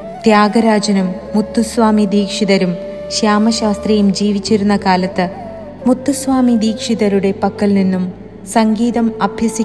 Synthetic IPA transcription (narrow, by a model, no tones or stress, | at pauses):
t̪jaːɡɐɾaːd͡ʑɐnumːut̪ːusʋaːmid̪iːkʂiðɐɾum | ɕjaːmɐɕaːst̪rɐjumd͡ʑiːʋit͡ɕːiɾunːɐkaːlɐt̪ːɨ | mut̪ːusʋaːmid̪iːkʂiðɐɾuɽe̞pɐkːɐlninːum | sɐŋɡiːðɐmɐbʱjɐsi